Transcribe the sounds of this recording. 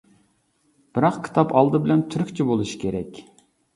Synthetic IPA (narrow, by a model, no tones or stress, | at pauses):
b̥ɪɾɑqkʲʰi̥t̪ʰɑpʰɑlˠd̪ɨbɪlɛnt̪ʰyɾykʲt͡ʃʰibolˠuʃi̥kʲʰeɾɛ̰kʲ